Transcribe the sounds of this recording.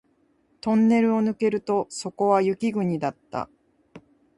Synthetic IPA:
t̪õ̞nːe̞ɾɯ̟o̞nɯ̟ke̞ɾɯ̟t̪o̞so̞ko̞βajɯkʲiɡɯ̟ɲ̟id̪at̪ːa̰

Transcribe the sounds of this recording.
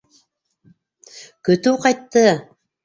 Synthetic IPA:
kɵ̆t̪ʉqɑjt̪ːɤ

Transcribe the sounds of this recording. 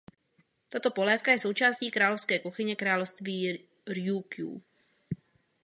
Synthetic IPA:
t̪at̪o̞po̞lɛːfkajɛso̞wt͡ʃaːsciːkɾaːlofskɛːkoxɪɲɛkɾaːlofst̪viː | ɾjukjṵː

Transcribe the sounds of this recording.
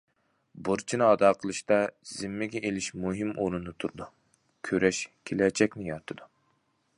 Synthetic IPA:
buɾt͡ʃʰinɨɑd̪ɑːqʰəlˠɨʃt̪ɑz̥ɪmːɪɡʲɛʔelɪʃmuɦɪmʔoɾɨnnɨt̪ʰuɾɨd̪u | kʲʰøɾɛʃkʲʰelɛt͡ʃʰɛkʲnɪjɑɾt̪ʰɨd̪u

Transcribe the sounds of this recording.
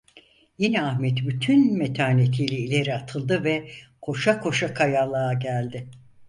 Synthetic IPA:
jinɛahmɛt̪byt̪ʰynmet̪ʰaːnet̪ʰijlʲɛilʲe̞ɾiat̪ʰɯlˠd̪ɯvɛkʰo̞ʃakʰo̞ʃakʰajalˠaːɟælʲd̪ɪ

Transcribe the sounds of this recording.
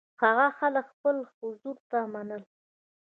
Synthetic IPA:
haɣaxaləkxpəlxhʊzuɾt̪amanəl

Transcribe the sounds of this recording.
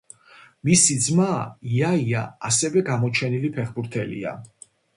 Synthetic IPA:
misid̪zmaiaiaasɛvɛɡamɔt͡ʃʰɛnilipʰɛχbuɾt̪ʰɛlḭa̰

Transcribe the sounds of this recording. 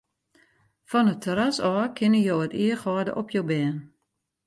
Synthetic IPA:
fɔnətʰəɾasɔːkʰɪnəjoːətiːəxɔːdə̰ʔɔpʰjowbɛːn

